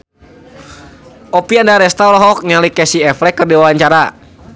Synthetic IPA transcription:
ʔɔpiandaɾɛst̪awlaɦɔk̚ɲalikɛsiɛflɛkːərdiwawaɲt͡ʃaɾa

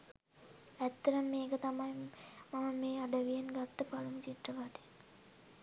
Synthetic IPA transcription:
æt̪ːɐɾəmːeːkət̪amajmaməmeːaɖəʋijenɡat̪ːəpalumt͡ʃiʈ̪rəʋaʈ̪e

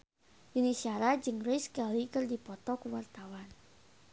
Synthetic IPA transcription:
junisiaɾad͡ʒɨŋrʊskalikərdipɔt̪ɔkuwart̪awan

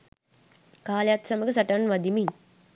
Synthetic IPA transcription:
kaːlejat̪sɐməɡəsɐʈɐnʋɐd̪imin

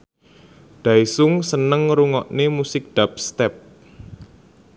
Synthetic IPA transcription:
ɖ̥aisʊŋsənəŋɾuŋɔʔnemusɪk̚ɖ̪̥ap̚st̪ɛp̚

